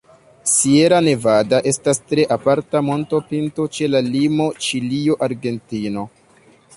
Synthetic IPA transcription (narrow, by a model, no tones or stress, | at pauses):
sie̞ɾane̞vadaʔe̞stastɾe̞ʔapaɾtamo̞nto̞pinto̞t͡ʃe̞lalimo̞t͡ʃilio̞ʔaɾɡe̞ntino̞